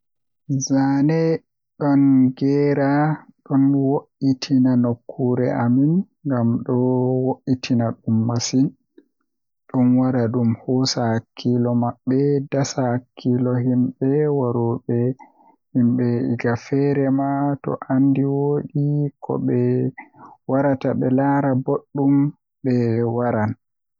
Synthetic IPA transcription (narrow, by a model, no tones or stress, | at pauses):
zanɛ | ɗɔnɡɛːɾaɗɔnwoʔitʰinanokʰːuɾɛʔamin | ŋɡamɗɔwoʔːitʰinaɗumːasin | ɗɔnwaɾaɗumhɔːsakʰːilɔmaɓːɛdasakʰːilɔhimɓɛwaɾuɓɛ | himɓɛḭɡafɛɾɛmatɔ̰ʔandiwoɗikʰɔ̰ɓɛ | waɾataɓɛlaɾaboɗːum | bɛwaɾan